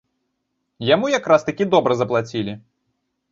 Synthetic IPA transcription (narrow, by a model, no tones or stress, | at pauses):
jamujakɾast̪akʲid̪ɔbɾɐzɐplˠat͡sʲilʲi